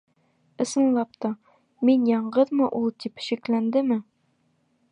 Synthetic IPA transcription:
ɤ̆sɤ̆nlˠɑp̚t̪ɤ | minjɒɴɢɤðmɤʔulˠt̪ipɕɘ̆klænd̪ɘmɘ

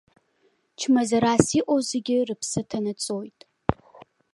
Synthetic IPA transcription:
t͡ʃʰmazaɾasiʔʷʼozeɡʲɪrɨpʰsɨtʰanat͡sʼojtʼ

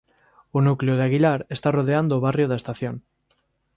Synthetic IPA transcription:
unukleoð̞eaɣilaɾe̞st̪aroð̞eand̪oːβarjoð̞aest̪aθjon

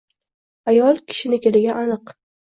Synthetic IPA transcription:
ajɒlˠkʲʰɪ̥ʃɪnɪkʲelɪɡʲaanɨq

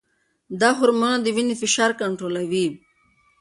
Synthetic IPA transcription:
d̪aɦʊɾmənad̪iʋinifiʃaːɾkɐɳʈɾoːlaʋi

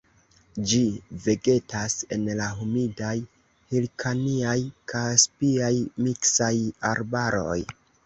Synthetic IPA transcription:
d͡ʒive̞ɡe̞tase̞nlaɦumidaj | hilkʰaniajkʰaspiajmiksajaɾbaɾo̞̰j

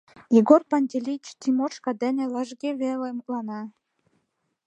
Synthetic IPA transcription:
jeɡorpɑnʲd̪ʲelʲit͡ɕt̪ʲimoʃkɑd̪æ̆nʲelɑʒɡʲeβelemuklɑnɑ

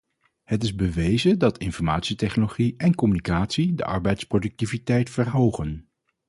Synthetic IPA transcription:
hətɪzbəʋejzədɑtʰɪnfɔɹmaːtsitɛχnoloχiɛnkɔmynikaːtsidə̰ʔɑɹbɛjtsprodɵk̚tivitɛjtfəɹɦowχən

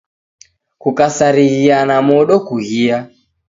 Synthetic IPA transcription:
kukasaɾiɣianamɔɗɔkuɣia

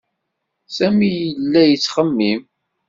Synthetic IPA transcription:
sæmijəlːæjət͡sːχəmːim

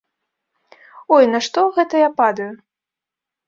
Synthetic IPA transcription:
ɔjnɐʂt̪ɔɣɛt̪ɐjapad̪ɐju

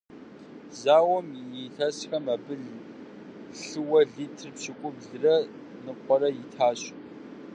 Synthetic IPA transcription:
zaːwɐmjitʰɐɕxɐmɐbɨɮ | ɬɨwɐɮiːtʰɨrpɕɪkʷʼʊbɮɨrɐ | nɨqʷʼɔrɐjɪtʰaːɕ

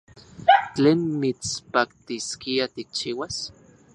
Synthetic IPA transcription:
t͡ɬeːnmit͡spak̚t̪iskiat̪ik̚t͡ʃiːwas

